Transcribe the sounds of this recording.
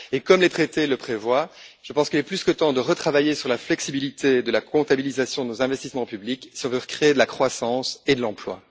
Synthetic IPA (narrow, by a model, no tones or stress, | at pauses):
ekɔmlet̪χet̪eləpχevwaʒ̥əpɑ̃skilɛplyskət̪ɑ̃d̪əʁət̪χavajesyʁlaflɛksibilit̪ʰed̪əlakɔ̃t̪abilizasjɔ̃d̪ənozɛ̃vɛst̪ismɑ̃pybliksiɔ̃vøʁkχeed̪əlakχwasɑ̃sed̪əlɑ̃plwa̰